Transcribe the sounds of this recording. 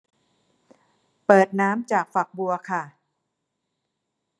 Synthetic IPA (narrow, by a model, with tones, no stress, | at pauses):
pɤː˨˩t̪̚naː˦˥mt͡ɕaː˨˩k̚fa˨˩k̚bu˧ɐkʰa˥˩